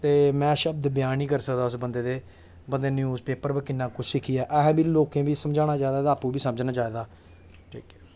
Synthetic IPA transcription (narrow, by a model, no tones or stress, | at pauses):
t̪eːmɛ̃ːʃəb̚d̪bjaːnĩːkəɾsəkd̪aːʊsbənd̪eːd̪eː | bənd̪eːnjuːzpeːpəɾbəkɪnːãːkʊt͡ʃʰʃɪkʰiːɛːʔɛːɦbiːloːkẽːbiːsəmd͡ʒaːnaːd͡ʒaːed̪aːd̪aːpũːbiːsəməd͡ʒnaːd͡ʒaːed̪aː | ʈʰiːkɛː